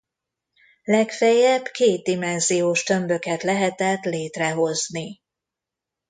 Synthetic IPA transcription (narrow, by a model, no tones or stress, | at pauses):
lɛkfɛjɛbkeːd̪̚d̪imɛnzijoːʃt̪ø̞mbø̞kɛt̪lɛɦɛt̪ɛt̪leːt̪rɛɦo̞zni